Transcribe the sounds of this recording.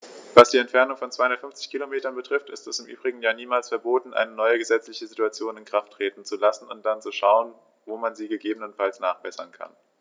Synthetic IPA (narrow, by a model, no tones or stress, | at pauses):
vasd̥iːɛntfɛɐnʊŋfɔnt͡svaɪhʊndɐtfʏnft͡sɪçkʰilomeːtɐnbətʁ̥ɪftɪstɛsɪmʔy̰ːbʁɪɡŋ̩jaːniːmaːlsfɛɐboːtn̩ʔa̰ɪnənɔʏəɡəzɛt͡slɪçəzituat͡sjoːnɪnkʁ̥aftʁ̥eːtn̩t͡sulasn̩ʊnt̚d̥ant͡suʃaʊən | voːmanziːɡəɡeːbənənfalsnaːχb̥ɛsɐnkʰa̰n